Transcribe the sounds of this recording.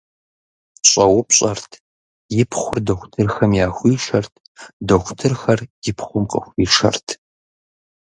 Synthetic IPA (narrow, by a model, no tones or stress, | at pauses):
ɕʼɐwʊpɕʼɐrtʰ | jɪpʰχʷʊrdɐxʷtʰɨrxɐmjaːxʷiːʂɐrtʰ | dɐxʷtʰɨrxɐrjɪpχʷʊmqʼə̰xʷiːʂɐ̰rtʰ